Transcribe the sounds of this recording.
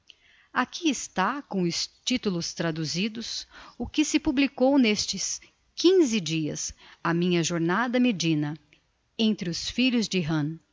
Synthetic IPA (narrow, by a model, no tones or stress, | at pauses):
akʰiɪst̪akõw̃ʊst͡ʃit̪ulʊst̪ɾad̪uzid̪ʊsʊkɪsɪpublikownest͡ʃɪs | kĩzɪd͡ʒiɐ̰samĩɲɐʒoɾnad̪ɐmed͡ʒĩnɐ | ẽnt̪ɾɪʊsfiʎʊzd͡ʒɪɦɐ̃